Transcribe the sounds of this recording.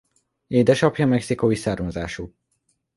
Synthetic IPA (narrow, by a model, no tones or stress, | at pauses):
eːd̪ɛʃɒpjɒmɛksikoisaːrmɒzaːʃu